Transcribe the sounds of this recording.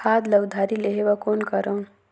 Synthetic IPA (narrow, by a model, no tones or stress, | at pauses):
ad̪ləɡd̪ʱaɾileɦebakonkʌɾəw̃